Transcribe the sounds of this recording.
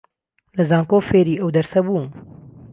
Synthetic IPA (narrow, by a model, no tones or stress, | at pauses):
lɨzaːŋkoːfeːɾiːɛwd̪ɛɾsɛbuː